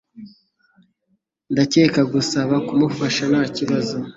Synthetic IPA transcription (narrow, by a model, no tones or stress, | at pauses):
ndace̞ːkaɡusaβakumufaʃanaːciβazo